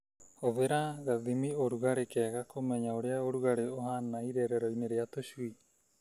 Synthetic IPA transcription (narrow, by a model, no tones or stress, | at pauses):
oβeɾaɣaðimioɾuɣaɾekɛɣakomɛɲaoɾeaoɾuɣaɾeoɦanaiɾeɾɛɾɔineɾeatoʃwi